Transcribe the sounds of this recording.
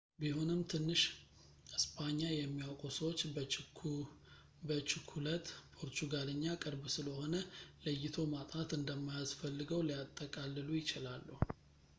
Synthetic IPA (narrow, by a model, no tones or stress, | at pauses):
bihonɨmt̪ʰɨnːɨʃ | ɨspʰaɲːajɛmːiawkʼusəwot͡ʃː | bət͡ʃɪkʰulət̪pʰo̞ɾt̪ʰuɡaləɲːakʼɨɾbsɨləho̞nələjːɪt̪ʰo̞mat̪ʼat̪ɨnd̪əmːajasfəlːɨɡəwlijat̪ʼːəkʼalːɨlujɪt͡ʃɪlalːuhu